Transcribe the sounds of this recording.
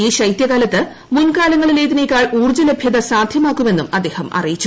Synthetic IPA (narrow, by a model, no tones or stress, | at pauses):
iːɕɐjt̪jɐɣaːlɐt̪ːɨ | munkaːlɐŋːɐɭileːðine̞ːkʲːaːɭuːrt͡ɕɐlebʱjɐðɐsaːd̪ʱjɐmaːkːume̞nːumɐd̪e̞ːhɐmɐ̰rijit͡ɕːu